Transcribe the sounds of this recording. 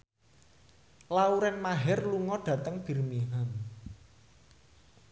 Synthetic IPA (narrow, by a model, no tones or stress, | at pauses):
lauɾɛnmaɦɛrluŋɔɖ̥ä̤t̪əŋb̥i̤rmiɦam